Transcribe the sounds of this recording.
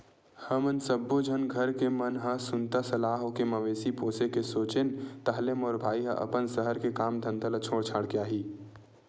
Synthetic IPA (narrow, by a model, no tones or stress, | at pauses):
həmənsəbːod͡ʒʱənɡʱəɾkemənɦəsʊnt̪asɐlaːɦokeməʋeːsipoːsekesoːt͡ʃɪnt̪ɐɦlemɔːɾbʱaːiɦə̰̃ʔə̰pənsəɦəɾkekaːmd̪ʱə̃nd̪ʱələt͡ʃʰoːɽt͡ʃʰaːɽkeaːɦiː